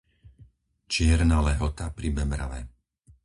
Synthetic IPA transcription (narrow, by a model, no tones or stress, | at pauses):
t͡ʃɪɛɾnaːlɛɦɔt̪apɾibɛmɾa̰ʋɛ̰